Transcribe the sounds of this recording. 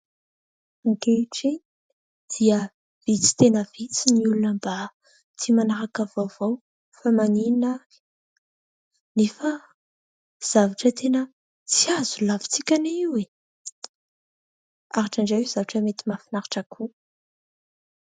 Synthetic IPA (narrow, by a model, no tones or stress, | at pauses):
aŋkeʈ͡ʂi | d̪̥iə | vit͡si̥t̪enəvit͡siniulunəmba | t̪imanaɾakavovow | famaninḁ | nefə | z̥avaʈ͡ʂət̪ʰenə | t͡siaz̥ulavi̥t͡sikʲaniiwe | aɾaʈ͡ʂaɳɖ͡ʐawiz̥avaʈ͡ʂəmet̪imafinaɾaʈ͡ʂakʰu